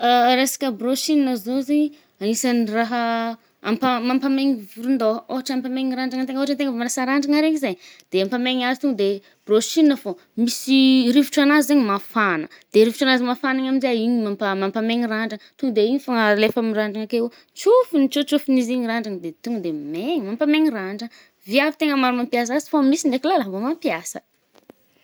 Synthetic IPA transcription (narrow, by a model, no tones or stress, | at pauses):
aɾesḁkʲəbroʃininəzozeɲi | anisaniraɦə | ampamampameŋivuɾund̪ooɦaʈ͡ʂampameŋiɾaɳɖ͡ʐaŋənt̪eŋɡoɦaʈ͡ʂant̪eŋəvamanasaɾaɳɖ͡ʐaŋaɾeŋizajd̪̥eampameŋazit̪uŋɡəd̪e | b̥ɾoʃininəfo | misiɾivi̥ʈ͡ʂanazizeɲimafanə̰d̪̥eɾivi̥ʈ͡ʂanazimafanaɲamizaiɲimampamampameŋiraɳɖ͡ʐaŋt̪uŋd̪eiɲifaŋalefamiraɳɖ͡ʐaŋakeu | t͡ʃufunit͡ʃut͡ʃufiniziɲiɾaɳɖ͡ʐaŋəd̪et̪uŋd̪emeɲimampameŋiraɳɖ͡ʐa | viavi̥t̪eŋəmaɾumampias̬azi̥fomisiɳɖ͡ʐekilalavomampiasə̥̰